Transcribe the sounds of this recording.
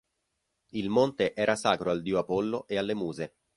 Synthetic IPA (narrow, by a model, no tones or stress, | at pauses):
ilmont̪eʔɛːɾʔasaːkɾoald̪ioapolːoʔealːemuːze